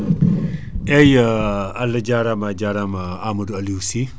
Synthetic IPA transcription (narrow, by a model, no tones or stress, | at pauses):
ʔɛjaalːɐd͡ʒaɾamad͡ʒaɾamaamɐduɐliusi